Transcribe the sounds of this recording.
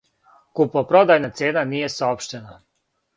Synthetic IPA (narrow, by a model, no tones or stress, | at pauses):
kupopɾo̞d̪ajnat̪sjeːnaniːje̞saopʃt̪ena